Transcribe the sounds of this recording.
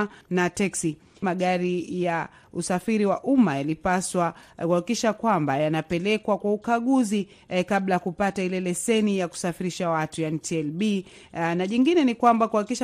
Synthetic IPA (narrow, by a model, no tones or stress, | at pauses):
natɛksi | maɠaɾija | usafiɾiwaʔumajalipaswakuhakikiʃakwambajanapɛlɛkwakwaukaɠuzi | kablajakupatailɛlɛsɛnijaku̥safiɾiʃawatujaɛntʰiɛlɓi | naʄiŋɡinɛnikwambakuhakikiʃ